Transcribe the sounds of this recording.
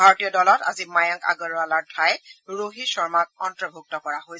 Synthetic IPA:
bʱaɹɔtijɔdɔlɔta̰zimajɔŋka̰ɡɔɹalaɹtʰajɹoɦisɔɹmak̚ɔntɹɔbʱuk̚tɔkɔɹaɦoj

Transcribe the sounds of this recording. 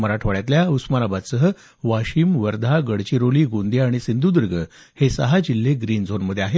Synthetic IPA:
məɾaʈʰʋaɭjat̪ljausmanabat̪səɦə | ʋaɕiːmʋəɾd̪ʱaɡəɽt͡ɕiɾoliːɡond̪iaɽ̃isind̪ʱud̪əɾɡə | hesə̰ɦad͡ʑilːeɡɾiːnd͡zʱonməd̪ʱːjeaɦe

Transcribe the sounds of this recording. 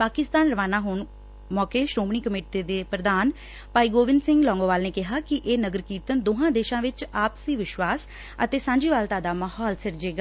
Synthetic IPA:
paːkɪst̪aːnɾəʋaːnaːɦʊɳ | mɔːkeːʃɾoːmɳiːkəmeːʈeːd̪eːpɾəd̪aːn | paːiːɡoːʋɪnsɪ̃ŋɡlɔ̃ːŋɡõːʋaːlneːkɪɦaːkɪʔeːnəɡəɾkiːt̪ənd̪oːɦãːd̪eːʃãːʋɪt͡ʃaːpsiːʋɪʃʋaːs | ə̰t̪eːsãːɲd͡ʒiːʋaːlt̪aːd̪aːmaːhɔːlsɪɾd͡ʒeːɡaː

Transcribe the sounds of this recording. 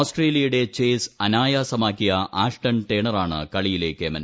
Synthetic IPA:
sʈreːlijɐjuɽe̞t͡ɕeːsɐnaːjaːsɐmaːkːijɐʔaːʂʈɐnʈeːɳɐraːɳɨ̰kɐɭijile̞ːkːɨemɐn

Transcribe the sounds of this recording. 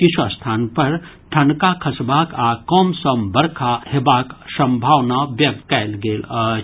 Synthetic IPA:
kit͡ʃʰuɐst̪ʰaːnpɐɾ | ʈʰɐnkakʰɐsbaːkakɔːmsəmbɐɾkʰahebaːksɐ̃mbʱaːʋnabjɐɡ̚kɛɪlɡeːlə

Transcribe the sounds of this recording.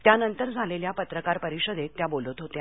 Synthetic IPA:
t̪janənt̪əɾd͡zʱaleljapət̪ɾəkaɾpəɾiɕəd̪et̪ːjabolət̪ɦot̪e

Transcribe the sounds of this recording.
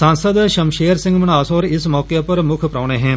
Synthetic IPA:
sãːnsəd̪ʃɐmʃeːəɾsɪ̃ŋɡmɐnaːsoːɾɪsmɔːkepɐɾmʊkʰpɾaːɽ̃eɦɛ̃ː

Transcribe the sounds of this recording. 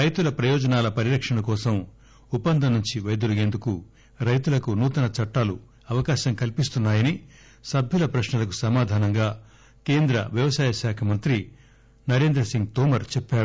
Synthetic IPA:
ɾɐjt̪ulɐpɾɐjɔːd͡ʒɐnaːlɐpɐɾiɾɐkʂɐnɐkɔːsɐm | upːɐnd̪ʱɐnːuɲt͡ʃiʋɐjɐd̪ulɡe̞ːnd̪uku | ɾɐjt̪ulɐkunuːt̪ɐnɐt͡ʃɐʈːaːlu | ɐʋɐkaːʃɐmkɐlpist̪unːaːjɐni | sɐbʱjulɐpɾɐʃɳɐlɐk̬usɐmaːd̪ʱaːnɐŋɡaː | keːnd̪ɾɐ̰ʋjɐʋɐsaːjɐʃaːkʰɐmɐnt̪ɾi | nɐɾe̞ːnd̪ɾɐsiŋɡ̚t̪oːmɐɾt͡ʃɛpːaːɽu

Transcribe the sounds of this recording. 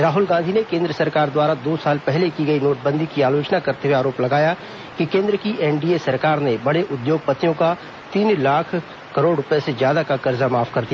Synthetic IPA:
ɾaːɦʊlɡãːnd̪ʱinekẽːnd̪ɾəsɐɾkaːɾd̪waːɾad̪oːsaːlpɛɦlekiɡɐinoːt̪̚ʰbə̃nd̪ʱikiaːloːt͡ʃnakɐɾt̪eweaːɾoːplɐɡaːja | kikẽːnd̪ɾəkiʔɛːnɖiesɐɾkaːɾnebɐɽ̃eʔʊd̪joːɡ̚pɐt̪ijõka | t̪iːnlaːkʰ | kɐɾoːɖɾʊpjesezjaːd̪akakɐɾzamaːfʰkɐɾd̪ija

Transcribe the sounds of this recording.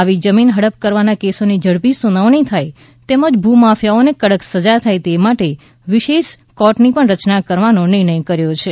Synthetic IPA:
aʋid͡ʒəminɦəɽəp̚kəɾʋanakesonid͡ʒəɽpisunaʋɳ̃it̪ʰaj | t̪eməd͡ʒbʱumafjaonekəɽəksəd͡ʒat̪ʰajt̪emaʈe | ʋiʃeʃ | kɔʈnipəɳɾət͡ʃnakəɾʋanonɪɾɳ̃əjkəɾjot͡ʃʰe

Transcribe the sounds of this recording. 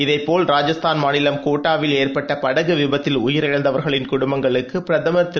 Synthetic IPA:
ɪðɐɪpːoːlɾaːd͡ʒɐst̪ʰaːnmaːnɪlɐmkoːʈːaːʋɪleːrpɐʈːɐpɐɽɐɣɯʋɪbɐt̪ːɪlʊjɪɾɪɻɐnd̪ɐʋɐɾɣɐɭɪnkʊɽʊmbɐŋɡɐɭɯkːɯpɪɾɐðɐmɐt̪ɪ

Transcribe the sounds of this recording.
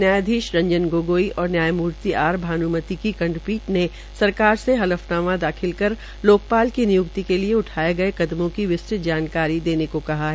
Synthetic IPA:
njaːjd̪ʱiːʃɾɐ̃ɲd͡ʒənɡoːɡoːiʔɔːɾnjaːjmuːɾt̪iaːɾbʱaːnumət̪ikikɐ̃ɳɖpiːʈne | sɐɾkaːɾseɦɐləfnaːmãd̪aːxʰɪlkɐɾ | loːk̚paːlkinɪjʊkt̪ikelieʊʈʰaːeɡɐekɐd̪mõkiʋɪst͡ʃɪt̪̚d͡ʒaːnkaːɾid̪eːnekokɐɦaɦɛː

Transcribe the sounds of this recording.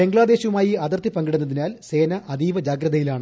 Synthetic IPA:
e̞ŋɡɭaːd̪e̞ːɕɐʋumaːjiɐðɐrt̪ipɐŋɡiɽunːɐðinaːlse̞ːnɐʔɐd̪iːʋɐd͡ʑaːɡɾɐðɐjilaːɳɨ

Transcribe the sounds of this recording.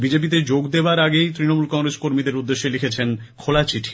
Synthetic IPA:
bid͡ʑep̬it̪̬ed͡ʑoɡd̪eoaɾaɡejt̪ɾinomulkɔŋɾeskoɾmid̪eɾud̪ːeʃːelikʰet͡ɕʰen | kʰolat͡ɕiʈʰi̥

